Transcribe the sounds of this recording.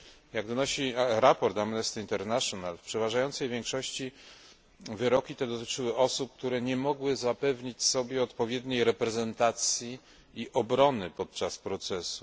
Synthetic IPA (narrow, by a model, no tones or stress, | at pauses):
jaɡd̪ɔnɔɕiɾapɔɾt̪amnɛst̪int̪ɛɾnaʂɔnalfpʂɛvaʐajɔnsɛjvʲjɛŋkʂɔɕt͡ɕi | vɘɾɔkʲit̪ɛd̪ɔt̪ɘ̥t͡ʂɘwɘʔɔsup̚k̚t̪uɾɛɲɛmɔɡwɘzapɛvɲit͡ɕsɔbʲjɛɔt̪pɔvʲjɛd̪ɲejɾɛpɾɛzɛnt̪at̪sʲji | iʔɔbɾɔnɘpɔt̪̚t͡ʂaspɾɔt̪sɛsu̥